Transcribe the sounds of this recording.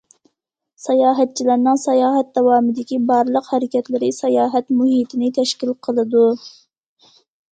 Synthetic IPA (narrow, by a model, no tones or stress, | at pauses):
sɑjɑːɦɛt̪̚t͡ʃʰilæɾnɨŋsɑjɑːɦɛt̪̚d̪ɛwɑːmɨd̪ɪkʲibɑɾlˠəqhæɾɪkʲɛt̪lɪɾɪsɛjɑːɦɛt̪muɦit̪ʰɪnɪt̪ʰɛʃkʲilˠqʰəlˠɨd̪u